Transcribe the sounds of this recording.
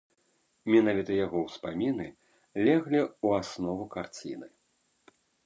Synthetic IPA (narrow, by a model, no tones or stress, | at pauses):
mʲinavʲit̪ɐjaɣɔwspamʲinɨ | lʲɛɣlʲiuasnɔvukart͡sʲḭnɨ